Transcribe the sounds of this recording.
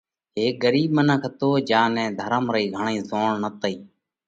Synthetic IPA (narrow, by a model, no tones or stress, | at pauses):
ɦeːk̚ɡəɾiːɓmənəkʰt̪oːd͡ʒãːnɛ̃ːd̪ʱəɾəmɾəiːɡʱəɳĩːzoːɳnət̪əiː